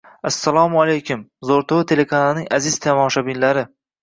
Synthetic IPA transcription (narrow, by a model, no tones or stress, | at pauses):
asːalˠɒmalajkʲʰʊmzoɾt̪ʰʊwɪt̪ʰe̞lekʰanalɪnɪŋʲʔazɪz̥t̪ʰamɒʃabɪnlaɾɪ